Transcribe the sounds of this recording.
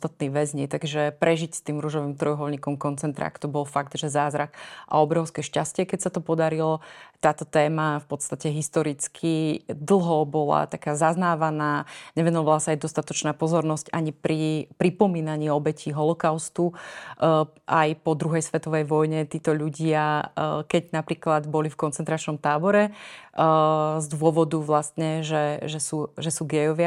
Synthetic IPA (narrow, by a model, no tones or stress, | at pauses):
st̪at̪̚niʋɛzɲit̪aɡʒɛpɾɛʒicst̪iːmɾuʒɔʋimt̪ɾɔjɦɔlɲiːkɔmkɔnt͡sɛnt̪ɾa̰ːkt̪ɔbɔlfaɡd̪ʒɛzaːzɾakʔa̰ɔbɾɔʊskɛʃcascɪɛkɛcsat̪ɔpɔd̪aɾilɔt̪aːt̪ɔt̪ɛːmafpɔt̪st̪acɛɦist̪ɔɾit͡skʰid̪l̩ˠɦɔbɔla̰t̪akaːzaznaːʋanaːɲɛʋɛnɔʋalasaajd̪ɔst̪at̪ɔt͡ʃnaːpɔzɔɾnɔscaɲipɾipɾipɔmiːnaɲiːɔbɛcʰiːɦɔlɔkaʊst̪u | ʔajpɔd̪ɾuɦɛjsʋɛt̪ɔʋɛjʋɔjɲɛt̪iːt̪ɔʎuɟɪakɛɟnapɾiːklad̪bɔlifkɔntt͡sɛnt̪ɾat͡ʃnɔmt̪aːbɔɾɛ | zd̪ʊɔʋɔd̪uʋlast̪ɲɛʒɛʒɛsuːʒɛsuːɡɛjɔʋɪa